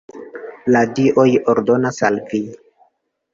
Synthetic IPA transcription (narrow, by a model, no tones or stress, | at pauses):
ladiʔo̞joɾdo̞nasalvi